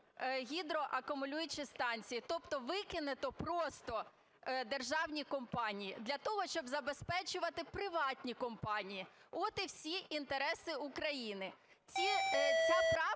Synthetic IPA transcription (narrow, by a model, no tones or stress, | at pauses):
ɦʲid̪ɾɔʔɐkʊmʊlʲujʊt͡ʃɪst̪ɑnʲt͡sʲijit̪ɔpt̪ɔʋɪkɪnɪt̪ɔpɾɔst̪ɔ | d̪erʒɑwnʲikɔmpɑnʲijḭd̪lʲɐt̪ɔɦɔʃt͡ʃɔbzɐbespɛt͡ʃʊʋɐt̪ɪpɾɪʋɑtʲnʲikɔmpɑnʲijiɔt̪ɪwsʲiʔint̪eɾɛsɪukɾɐjinɪ | t͡sʲipɔt̪ɾɑ